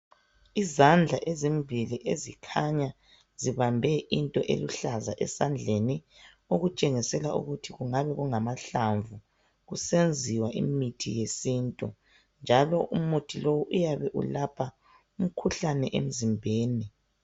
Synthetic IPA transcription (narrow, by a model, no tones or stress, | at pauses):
izand͡ɮʱaʔezimbʱiliʔezikʰaɲa | z̥iβambʱɛʔintʼɔʔḛluɬazaʔɛsand͡ɮʱeni | uɣut͡ʃʼeŋisɛlaʔṵɣutʰiɣuŋaβɛɣuŋamaɬaɱvu | ɣusend͡zʱiwaʔḭmitʰḭjesintʼu | nd͡ʒʱalɔʔumutʰilowuʔujaβɛʔṵlapʰa | um̩kʰuɬanɛʔḛm̩zimbʱeːni